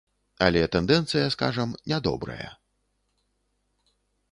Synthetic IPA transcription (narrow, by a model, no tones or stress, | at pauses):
alʲɛt̪ɛnd̪ɛnt̪sɨjɐska̰ʐɐmnʲad̪ɔ̰bɾɐ̰jɐ̰